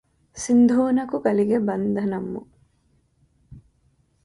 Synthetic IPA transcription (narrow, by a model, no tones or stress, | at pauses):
sind̪ʱuːnɐkuɡɐliɡebɐnd̪ɐnɐmːṵ